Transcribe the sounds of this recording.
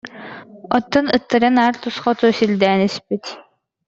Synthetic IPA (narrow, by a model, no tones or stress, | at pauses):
ɔ̰t̪ːɔnɯt̪ːɯɾanaːɾt̪usχɔt̪uːsilʲd̪ɛːnyspit̪